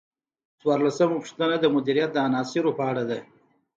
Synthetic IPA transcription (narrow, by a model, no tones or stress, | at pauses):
t͡swɑːɾlasəmupʂt̪ənad̪əmʊd̪iɾijat̪̚d̪əanɑːsiɾopaɽad̪e